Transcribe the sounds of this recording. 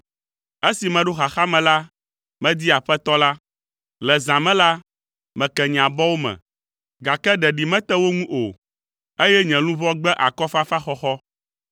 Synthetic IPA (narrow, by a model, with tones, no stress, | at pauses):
e˦si˨mɛ̃˨ɖo˦xa˨xa˦mɛ̃˨la˦ | mɛ̃˦d̪i˦a˨ɸɛ˦t̪ɔ˦la˦ | lɛ˨zã˨mɛ̃˦la˦ | mɛ̃˨kɛ˨ɲ̃˨ã˨bɔ˦wo˦mɛ̰̃˨ | ɡa˨kɛ˦ɖɛ˨ɖi˨mɛ̃˦t̪ɛ˦wo˦ŋũ˦ʔo˨ | e˦jɛ˦ɲɛ̃˨lũ˦vɔ˦ɡ͡bɛ˦ʔa˨kɔ˦fa˦fa˦xɔ˦xɔ˦